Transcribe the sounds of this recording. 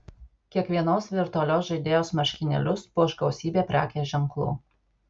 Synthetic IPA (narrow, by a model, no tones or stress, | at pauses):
kʲiɛkʋʲiɛnoːsʋʲɪɾt̪ʊɐlʲoːsʒɐɪd̪ʲeːjoːsmɐʃʲkʲɪnʲɛ̰lʲʊspuɔʒɡɐʊsʲiːbʲeːpʲɾʲæ̰ːkʲeːʒʲɛŋklˠṵː